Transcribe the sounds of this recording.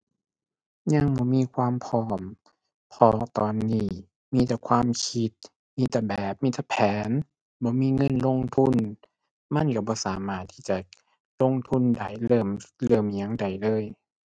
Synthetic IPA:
ɲa˧˥˨ŋbɔː˧˦miː˧˥˨kʰwaː˧˨mpʰɔː˧˩m | pʰɔ˧t̪ɔː˨nːiː˧˥˩ | miː˧˥˨t̪ɛ˨˧˩kʰwaː˧˥˨mkʰi˧˦t̪̚ | miː˧˩˨t̪ɛ˨˧˩bɛː˨˩p̚miː˧˥t̪ɛ˨˧˩pʰɛː˨˦n | bɔː˧˦miː˧˥˨ŋɤ˧˥˨nlo˧˥˨ŋt̪ʰu˧˥˨n | ma˧˥˨nka˧˩bɔː˧˦saː˨˦maː˧˩t̪ʰːiː˧˩t͡ɕa˨ | lo˧˥˨ŋt̪ʰu˧˥˨nda˨˩jlɤː˧˩mlɤː˧˩mɲa˧˩ŋda˨˩jlɤː˧˥˨j

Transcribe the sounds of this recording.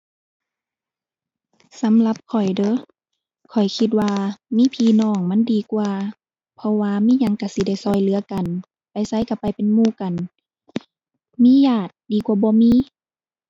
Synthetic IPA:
sa˨˦mla˧p̚kʰɔ˨˩jdɤ˧˦ | kʰɔ˨˩jkʰi˧t̪̚waː˧miː˧˥˨pʰiː˧˨nɔː˧˩ŋma˧˥˨ndiː˨kwaː˧ | pʰɔ˧waː˧˨miː˧˥˨ɲa˧˨ŋka˧˩si˧˦da˧˥˩jsɔː˧˩jlɯ˨˧˦ɐka˨˩n | pa˨jsa˧˥˨jka˧˩pa˨jpe˨nmuː˧˩˨ka˨n | miː˧˥˨jaː˧˩t̪̚diː˨˩kwaː˧bɔː˧˦miː˧˥˨

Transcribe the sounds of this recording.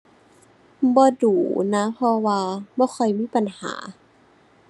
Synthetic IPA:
bɔː˧duː˨˩na˦˥pʰɔ˧waː˧bɔː˧˦xʰɔ˧˩jmiː˧˥˨pa˨˩nha̰ː˩˦

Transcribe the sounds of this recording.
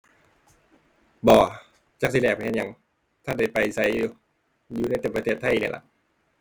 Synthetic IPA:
bɔː˧˩ | t͡ɕa˧˥k̚si˧lɛː˧˩pa˧hnɲa˧˦ŋ | t̪ʰa˧˥˩nda˧˩jpa˨jsa˧˦j | juː˧na˧˥˩jt̪e˧˩pa˧eː˧˩t̪ʰːa˧˥˩jnḭ˧˩˨la̰˧˩ʔ

